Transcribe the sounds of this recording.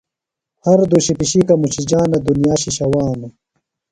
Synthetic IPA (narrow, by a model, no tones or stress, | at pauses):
hɐɾd̪uɕipiɕikɐmut͡ɕid͡ʑaːnɐd̪unijaːɕiɕɐwaːnɐ